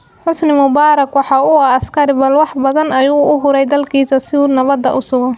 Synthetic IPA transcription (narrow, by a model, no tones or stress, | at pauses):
ħʊsnɪmʊbaːɾɐkwɑħɑːʊaːskʰɐɾɪbɐlwɑħbɐðɐnɐjuːʔʊɦʊɾɛjd̪ɐlkʰiːsɐsɪuːnɐβɐd̪ɐ̰ʔʊsʊɣɔ